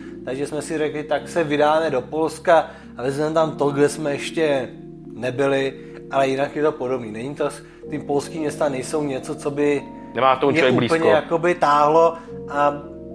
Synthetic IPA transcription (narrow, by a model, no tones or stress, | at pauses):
t̪aɡʒɛsmɛsɪɾɛklɪt̪aksɛvɪdaːmɛdo̞po̞lska | avɛzmɛmt̪amt̪oɡlɛsmɛɛʃcɛ | nɛbɪlɪ | ʔalɛjɪnakjɛt̪o̞po̞dobniːnɛɲit̪o | t̪ɪpo̞lskiːmɲɛst̪anɛjso̞wɲɛt͡sot͡so̞bɪ | nɛmaːt̪omuovɛɡblipəɲɛjako̞bɪt̪aːɦlo̞ʔa